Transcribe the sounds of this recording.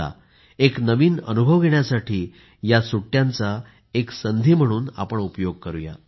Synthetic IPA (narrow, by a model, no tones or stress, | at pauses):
a̰ | eknəʋiːnə̰nubʱəʋɡʱeɳjasaʈiː | jasuʈːjant͡sa | eksənd̪ʱiːm̤əɽ̃uːna̰pəɳupjoɡ̚kəɾuja̰